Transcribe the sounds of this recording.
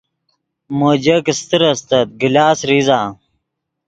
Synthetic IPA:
moːd͡ʑɐkist̪ɨɾɐst̪ɐt̪̚ɡilaːsɾizaː

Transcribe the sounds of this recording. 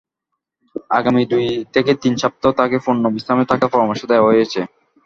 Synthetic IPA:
a̰ɡamid̪ujt̪ʰeket̪int͡ɕʰap̚t̪aot̪akefonːobisamet̪akafɔɾomaʃod̪ɛaɦojet͡ɕʰe

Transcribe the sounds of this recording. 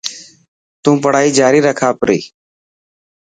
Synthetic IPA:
t̪ũːpəɽ̤aːiːd͡ʒaːɾiːɾəkʰaːpɾḭː

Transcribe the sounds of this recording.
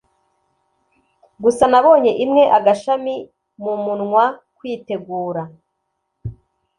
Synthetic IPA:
ɡusanaβo̞ːɲe̞ʔimŋe̞ʔaɡaʃami | mumunŋwakwiːte̞ɡuːɾa

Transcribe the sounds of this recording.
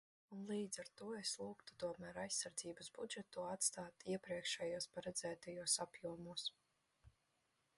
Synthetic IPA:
unlˠiːd̪zaɾt̪uɔeslˠuːkt̪u̥t̪uɔmæːɾajsːaɾd̪ziːbasbud͡ʒet̪uːat̪st̪aːt̪iɛpɾiɛkʃɛjuɔspaɾɛd̪zæːt̪ajuɔsapjuɔmuɔs

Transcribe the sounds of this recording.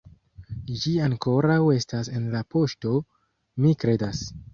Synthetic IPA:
d͡ʒiaŋko̞ɾawe̞stase̞nlapo̞ʃto̞ | mikɾe̞das

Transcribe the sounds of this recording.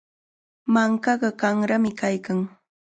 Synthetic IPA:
maŋkɑɢɑkaŋɾamɪkajkaŋ

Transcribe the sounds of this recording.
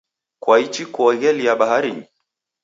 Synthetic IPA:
kwait͡ʃikɔɔɣɛlijaɓahaɾini

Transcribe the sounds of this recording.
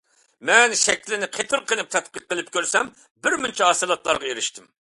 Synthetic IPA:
mɛnʃɛkʲlɪnɪqʰet̪ʰɨɾqʰənˠɨp̚t̪ʰɛt̪̚qəq̚ːəlˠɨp̚kʲʰøɾsɛm | bɪɾmynt͡ʃʰiɦɑsɨlˠɑt̪lˠɑ̰ɾʁɑeɾɪʃt̪ʰɪm

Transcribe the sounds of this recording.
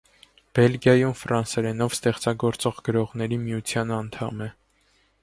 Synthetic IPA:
b̥ɛlɡjɑjumfɾɑnsɛɾɛnɔvst̪ɛχt͡sɑɡɔɾt͡sɔʁɡəɾɔʁnɛɾimijut͡sʰjɑnɑnt̪ʰɑmɛ

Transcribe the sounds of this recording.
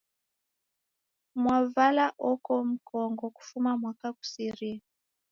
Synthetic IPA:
mwavalaʔɔkɔm̩kʰɔŋɡɔku̥fumamwakaku̥siɾi

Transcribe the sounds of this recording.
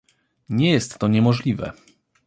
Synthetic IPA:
ɲɛjɛst̪ːɔɲɛmɔʐlʲivɛ̰

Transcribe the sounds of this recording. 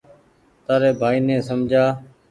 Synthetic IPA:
t̪aːɾeːbʱaːiːnẽːsəmd͡ʒʱaː

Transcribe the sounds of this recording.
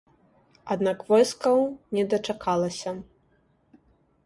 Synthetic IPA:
ad̪nakvɔjskɐwnʲɛd̪ɐt͡ʂakʰalˠɐsʲɐ

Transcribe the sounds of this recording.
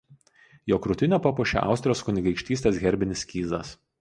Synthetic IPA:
joːkɾʊt̪ʲɪnʲoːpɐpʊʃʲɛ̰ʔɑ̰ˑʊsʲt̪ɾʲɪjoːskʊnʲɪɡɐɪkʃʲt̪ʲiːst̪ʲeːsɣʲɛɾʲbʲɪnʲɪsʲkʲiːzɐs

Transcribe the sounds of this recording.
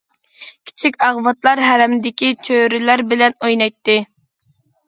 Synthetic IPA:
kʲʰi̥t͡ʃʰikʲɑʁvɑt̪lˠɑɾɦæɾɛmd̪ɪkʲit͡ʃʰøɾɪlæɾbɪlɛnojnɑjt̪ːɪ

